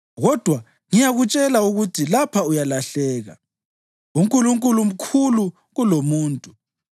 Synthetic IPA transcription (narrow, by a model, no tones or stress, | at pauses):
ɣɔd̥ʱwa | ŋijaɣut͡ʃʼɛlauɣutʰilapʰaujalaɬɛːɣa̰ | uŋkʼuluŋkʼulum̩kʰulu | ɣulomuːntʼu